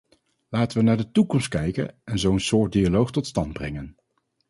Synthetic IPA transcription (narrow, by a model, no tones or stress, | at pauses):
laːtəʋənaːɹdətukɔmst̚kɛjkə̰nɛnzowənsʊːɹt̚dialowχtɔtstɑndbrɛ̰ŋən